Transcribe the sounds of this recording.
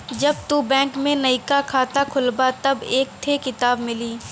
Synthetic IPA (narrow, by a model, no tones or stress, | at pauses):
d͡ʒɐbt̪uːbɛ̃ːŋkmẽnɐikakʰaːt̪akʰʊlbat̪ɐbeːk̚t̪ʰekɪt̪aːbmɪliː